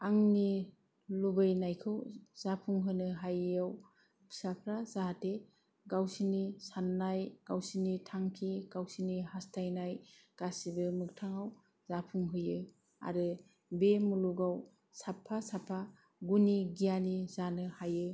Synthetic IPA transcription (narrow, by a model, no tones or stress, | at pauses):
aŋni | lubɯjnajkʰɯwz̥apʰuŋɦɯnɯɦajaw | pʰsapʰɾazaɦate | ɡawsinisanːajɡ̥awsinitʰaŋkʰiɡ̥awsinihastʰajnajɡ̥asibɯmɯk̚tʰaŋaw | zapʰuŋɦɯjɯ | a̰ɾɯ | bemuluɡaw | sapʰːasapʰːa | ɡuniɡijanizanɯhajɯ